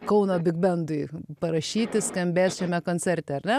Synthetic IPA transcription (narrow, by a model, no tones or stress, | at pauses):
kɐʊnoːbʲɪɡbʲɛnd̪ʊɪpɐɾɐʃʲiːt̪ʲɪskɐmʲbʲeːsʃʲɛmʲɛkoːnʲt͡s̪ʲɛɾʲt̪ʲɛɐɾʲnʲɛ